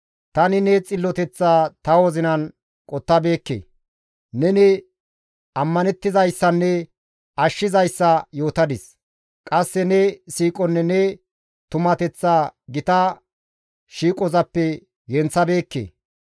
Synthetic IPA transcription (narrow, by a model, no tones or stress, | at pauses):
t̪ɐnɪnɛt͡sʼɪlːɔt̪ɛt͡sːaːt̪ɐwɔzɪnɐn | kʼɔt̪ːɐbe̞ːkːḛː | nɛnɛ | ɐmːɐnɛt̪ːɪzɐjsːɐnːɛ | ɐʃːɪzɐjsːɐjo̞ːt̪ɐd̪ɪs | kʼɐsːɛnɛsiːkʼɔnːɛnɛ | t̪ʊmɐt̪ɛt͡sːaːɡɪt̪ɐ | ʃiːkʼɔzɐpːɛ | ɡɛnt͡sːɐbe̞ːkːḛː